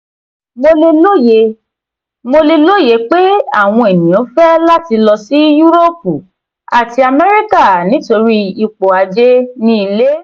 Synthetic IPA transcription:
mo˧le˧lo˦je˨˦ | mo˧le˧lo˦je˨˦k͡pe˦a˦˨w̃ɔ̃˧e˨nĩ˨ɔ̃˨˦fɛ˦la˦ti˧lɔ˧si˦ju˦ɾo˦p̚u˨ | a˨ti˧a˧mɛ˦ɾi˦ka˦˨nĩ˨˦to˧ɾi˦i˧k͡po˨a˨˧d͡ʒe˦nĩ˧i˧le˦

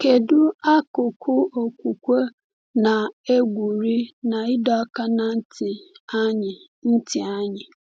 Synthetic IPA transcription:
ke˨dʊ˦a˦ko˨kʰo˦ɔ˨kʷu˨kʷo˦ | nã˨e˦ɡʷu˨ɾi˦nã˨i˦dɔ˦ka˦nã˦n̩˦tʰɪ˨a˦ɲɪ˨ | n̩˦tʰɪ˨a˦ɲɪ˨

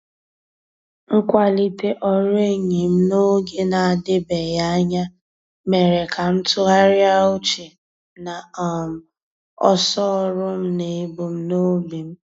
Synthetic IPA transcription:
ŋ̩˦kʷa˦li˦te˦ʔɔ˦ɾe˦ɲi˨m̩˦no˦ɡe˦na˨a˨dɪ˦be˨ja˦a˦ɲa˦ | me˨ɾe˨kʰa˨m̩˦tʊ˦ɦa˦ɾja˦o˦t͡ʃe˨ | na˨ɔ˨m̩˨ | ɔ̰˦sɔ˦ɾʊ˦m̩˦ne˨˦bo˨m̩˦no˦bi˨m̩˦

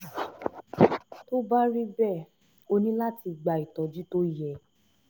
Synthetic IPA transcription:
to˦ba˦ɾi˦bɛ˦˨ | o˧nĩ˦la˦ti˧ɡ͡ba˨i˨tɔ̃˨˦d͡ʒi˦to˦jɛ˧˨

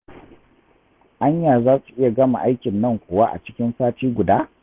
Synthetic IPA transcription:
ʔa˦ɲjaː˨zaː˦su˨ʔɪ˦ja˨ɡɐ˦ma̰˨ʔa˦jkʲɪ˨nːɐ˦˨ŋkʷʊː˨wa˦ʔa̰˨t͡ʃɪ˦kʲɪ˦nsaː˦tiː˦ɡʷʊ˨daː˦

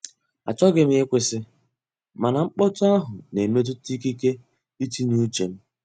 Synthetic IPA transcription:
a̰˨t͡ʃɔ˦ɡɪ˨m̩˦e˦kʷɪ˦sɪ˦ | ma˨na˨ŋ͡m̩˦k͡pɔ˦tʊ˦a˦ɦʊ˨ne˨me˦t̬ʊ˦ti˦ki˦ke˦ | i˦ti˦nu˦t͡ʃe˨m̩˦

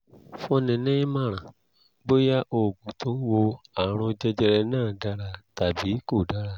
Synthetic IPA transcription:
fɔ̃˧nɛ̃˨nɛ̃˦i˦mã˦˨ɾ̃ã˨ | ɡ͡bo˦ja˦ʔo˧˨ɡũ˨tʰõ˨˦wo˧a˨ɾ̃ɔ̃˧d͡ʒɛ˦d͡ʒɛ˧ɾɛ˧nãː˦˨da˦ɾa˧ta˨bi˨˦ko˦˨da˨˦ɾa˧

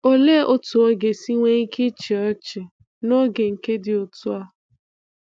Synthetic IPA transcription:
o˦le˦ʔo˦tu˨o˦ɡe˨si˦ŋʷe˦i˦kʰe˦t͡ʃe˨ɔ˦t͡ʃɪ˨ | no˦ɡe˨ŋ̩˨ke˦dɪ˨o˨tʊ˦a˦

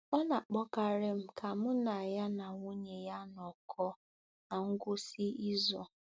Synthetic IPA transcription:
ɔ˦na˨k͡pɔ˦ka˨ɾɪ˦m̩˦ka˨mʊ˦na˨ja˦na˨ŋu˦ɲe˨ja˦nɔ˨kʰɔ˦ | na˨ŋ̩˦ɡʷʊ˦si˦i˦zɔ̰˨

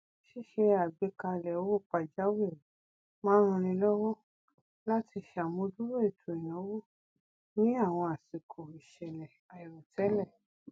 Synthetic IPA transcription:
ʃi˦˨ʃe˧a˨ɡ͡be˨˦ka˧lɛ˨o˦wo˦˨k͡pa˧˨d͡ʒa˨˦we˦˨ | mã˦ɾ̃ũ˧ɾ̃ĩ˧lɔ˦wɔ˦ | la˦ti˧˨ʃa˨mõ˧du˦ɾo˦e˦˨tʰo˨e˨j̃ɔ̃˨˦wo˦ | nĩ˦a˦˨w̃ɔ̃˧a˨si˨kʰo˨i˨ʃɛ˨lɛ˨ | a˨i˨ɾo˨tʰɛ˨˦lɛ˦˨

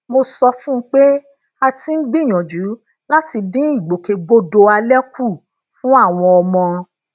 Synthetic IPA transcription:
mo˧sɔ˧fũ˦k͡pe˦ | a˧ti˧˦n̩˦ɡ͡bi˦˨j̃ɔ̃˨d͡ʒu˨˦ | la˦ti˧dĩ˦i˦˨ɡ͡bo˨ke˧ɡ͡bo˦do˧a˧lɛ˦ku˦˨ | fũ˦a˦˨w̃ɔ̃˧ɔ˧mɔ̃˧

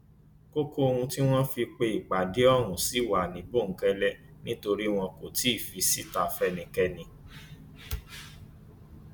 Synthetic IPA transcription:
ko˦ko˦o˧hũ˧ti˦w̃ɔ̃˦fi˧k͡pe˧i˨k͡pa˨de˨˦ɔ˦˨ɾ̃ũ˨si˨˦˨wa˨nĩ˨bo˦˨ŋ̩˨˦kɛ˧lɛ˦nĩ˦to˧ɾi˦w̃ɔ̃˧ko˨ti˨˦i˦˨fi˧si˦ta˧fɛ˦nĩ˨kɛ˦nĩ˧

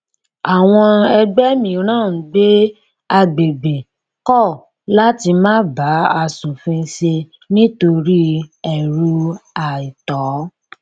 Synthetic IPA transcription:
a˨w̃ɔ̃˧ɛ˧ɡ͡bɛ˦mĩ˧˨˦ɾ̃ãː˦˨˦ɡ͡be˦ | a˧ɡ͡be˨be˨ | kɔ˦˨ | la˦ti˧mãː˦ba˨˦a˧su˨fĩ˦ʃe˧ | nĩ˦to˧ɾi˦ɛ˨ɾu˧a˨i˨tɔ˨˦

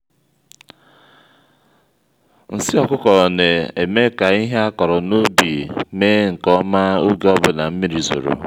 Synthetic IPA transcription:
n̩˨sɪ˦ɔ˨kʊ˦kɔ˨ne˨e˨me˦ka˨i˦ɦe˦a˦kɔ˨ɾɔ˨no˦bi˨me˦ŋ̩˨kɔ˦ma˦o˦ɡe˦ɔ˦bʊ˦na˨m̩˦mi˦ɾi˨zo̰˨ɾo̰˨

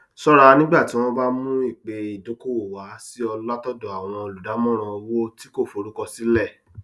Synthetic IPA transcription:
sɔ˦ɾ̃a˧nĩ˦ɡ͡ba˦˨ti˨˦w̃ɔ̃˦ba˦mũ˦i˦˨k͡pe˧i˨do˨˦ko˦o˨wa˨˦si˦ɔ˧la˦tɔ˦dɔ˧˨a˨w̃ɔ̃˧lu˨da˨˦mɔ̃˦ɾ̃ɔ̃˧o˧wo˦ti˦ko˦˨fo˨˧ɾu˦kɔ˧si˨˦lɛ˦˨

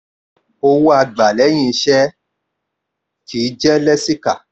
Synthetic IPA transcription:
o˧wu˦a˧ɡ͡ba˨lɛ˨˦j̃ĩ˧˦ʃɛ˦ | kʰi˨˦d͡ʒɛ˦lɛ˦si˦ka˨

